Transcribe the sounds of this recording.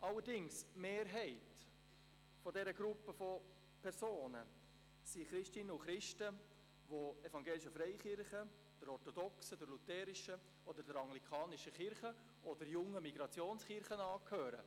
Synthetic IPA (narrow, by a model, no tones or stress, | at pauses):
ʔɑlːəɾdɪŋsmeːɾɦɛɪt | fɔdɛɾəɡɾupːəfɔ | pʰɛɾsoːnə | siχɾɪʃtɪnəʊχɾɪʃtə | ʋoɛfɑŋɡeːlɪʃəfɾɛɪχɪɾχə | d̥əɾɔɾtɔdɔksədəɾlutɛːɾɪʃə | ɔd̪əɾdəɾɑŋlikʰɑːnɪʃəχɪɾχə | ɔd̥̪əɾjʊŋːəmiɡ̥ɾɑt͡sjoːnsχɪɾχənɑːkʰhøːɾə̰